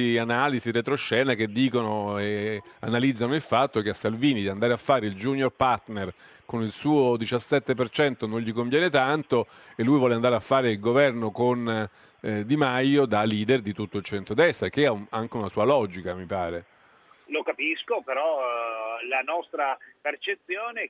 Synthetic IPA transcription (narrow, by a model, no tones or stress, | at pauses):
ianaːliziret̪ɾoʃːɛːnak̟ed̪ːiːkonoea̰nalid̪zːanoilfat̪ːok̟easːalviːnid̪iand̪aɾeafːaːɾeild͡ʒuːnjorpart̪ner | konilsuːod̪it͡ʃasːɛt̪ːepert͡ʃɛnt̪onoɲʎikoɱvjɛːnet̪ant̪o | elːujvwɔːleand̪aːɾeafːaːɾeilɡovɛrnokon | d̪imajːod̪alːiːd̪erd̪it̪ut̪ːoilt͡ʃɛnt̪ɾod̪ɛst̪ɾek̟eɛunaŋk̟eunasuːalɔːd͡ʒikamipaːɾe | lokapiskopeɾɔ | lanɔst̪ɾapert͡ʃet̪sjoːne